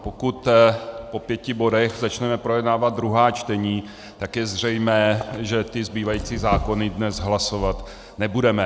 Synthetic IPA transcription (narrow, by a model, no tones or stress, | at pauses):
po̞kut̪po̞pjɛcɪbo̞dɛxzat͡ʃnɛmɛpɾo̞jɛdnaːvad̪̚d̪ɾuɦaːt͡ʃt̪ɛɲiː | t̪akjɛzr̝ɛjmɛːʒɛt̪ɪzbiːvajiːt͡siːzaːko̞nɪdnɛzɦlaso̞vat̪ | nɛbudɛmɛ